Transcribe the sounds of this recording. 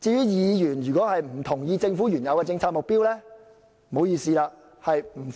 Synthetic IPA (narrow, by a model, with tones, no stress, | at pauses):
t͡siː˧jyː˨˥jiː˨˧jyː˨˩njyː˨˩kɔː˨˥hɐ˨jm̩˨˩t̪ʰʊ˨˩ŋjiː˧t͡sɪ˧ŋfuː˨˥jyː˨˩njɐ˨˧wkɛː˧t͡sɪ˧ŋt͡sʰaː˧t̚mʊ˨k̚piː˥wlɛː˥ | mo˨˧˥wjiː˨˧siː˧laː˧ | hɐ˨jm̩˨˩